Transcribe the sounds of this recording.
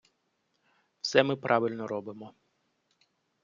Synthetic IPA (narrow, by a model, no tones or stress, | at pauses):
w̥sɛmɪpɾʔɑʋɪlʲnɔɾɔbɪmɔ